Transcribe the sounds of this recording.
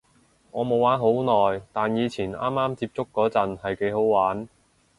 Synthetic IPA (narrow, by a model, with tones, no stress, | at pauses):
ŋɔː˨˧mo˨˧waː˨˥nɦo˨˥wnɔː˨˩jt̪aː˨njiː˨˧t͡sʰiː˨˩na̰ː˥mːaː˥mt͡siː˧p̚t͡sʊ˥kːɔː˨˥t͡sɐ˨nhɐ˨jke˨˥jɦo˨˥wwaː˨˥n